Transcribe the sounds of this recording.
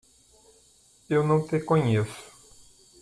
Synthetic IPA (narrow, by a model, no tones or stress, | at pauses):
ewnɐ̃w̃t̪ẽkõɲesʊ̥